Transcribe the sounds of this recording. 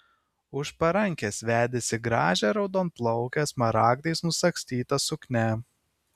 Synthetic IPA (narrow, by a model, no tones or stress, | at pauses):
ʊʃpɐɾɐŋʲkʲɛsʋʲæːd̪ʲesʲɪɡɾɑːʒʲɛɾɒʊd̪oːnplˠɔʊkʲɛsmɐɾɑːɡd̪ɐɪsnʊsɐksʲt̪ʲiːt̪ɐsʊknʲɛ